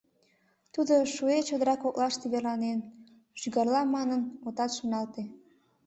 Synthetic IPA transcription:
t̪ud̪oʃuet͡ɕod̪əɾɑkok̚lɑʃt̪iβerlɑnen | ʒ̥yɣɑrlɑmɑnənot̪ɑt̪ʃonɑlt̪e

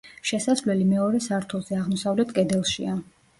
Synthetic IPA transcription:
ʃɛsasvlɛlimɛɔɾɛsaɾt̪ʰulˠz̥ɛaʁmɔsavlɛt̪ʰkʼɛd̪ɛlˠʃḭa

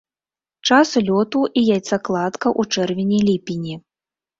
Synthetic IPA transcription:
t͡ʂaslʲɔt̪uʔijajt̪saklˠat̪kɐʔut͡ʂɛrvʲinʲilʲipʲinʲi

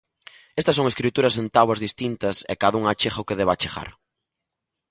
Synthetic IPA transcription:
est̪ɐs̬oŋeskɾit̪uɾɐsent̪awɐzðist̪int̪ɐsɛ̰kaðuŋat͡ʃexɐʊkeðɛβat͡ʃexa̰ɾ

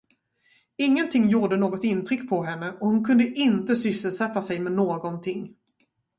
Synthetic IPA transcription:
ɪŋːənt̪ʰɪŋːjuːɖənoːɡɔt̪ɪnt̪ʰɾʏkːpʰɔɦɛnːəʔɔhʊnkʰɵnd̪əʔɪnt̪əsʏsːəlsɛt̪ːasɛjmɛnoːɡɔnt̪ʰɪŋː

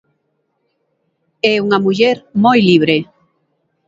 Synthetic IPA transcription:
ɛuŋamuʎɛɾmojliβɾe

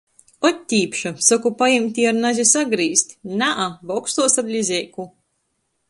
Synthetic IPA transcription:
ɔt̪ʲːiːpʃasakupajimt̪ʲiːaɾnazʲisaɡɾiːsʲt̪ʲnaʔabɔkst̪uɔsab̪ʲlʲizʲɛːku

